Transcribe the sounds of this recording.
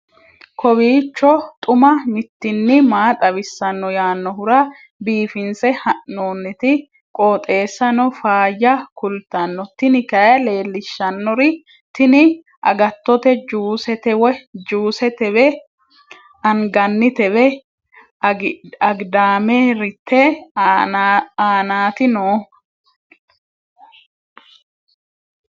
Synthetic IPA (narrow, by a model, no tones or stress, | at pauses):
kʰɔβiːt͡ʃːɔt̪ʼʊmɐmɪt̪ːɪnːɪmaːt̪ʼɐβɪsːɐnːɔjaːnːɔhʊɾɐ | biːfɪnsɛhɐʔnoːnːɪt̪ɪ | kʼoːt̪ʼe̞ːsːɐnɔfaːjːɐkʊlt̪ːɐnːɔt̪ɪnɪkɐjɐle̞ːlːɪʃːɐnːɔɾɪ | t̪ɪnɪ | ʔɐ̰ɡɐt̪ːɔt̪ɛd͡ʒuːsɛt̪ɛwɛd͡ʒuːsɛt̪ɛβɛ | ɐŋɡɐnːɪt̪ɛβɛ | ɐɡd̪aːmeɾɪt̪ʰːɛ | aːnaːt̪ɪnɔː